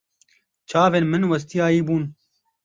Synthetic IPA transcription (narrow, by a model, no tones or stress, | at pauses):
t͡ʃʰaːveːnmɨnwɐst̪iaːiːbuːn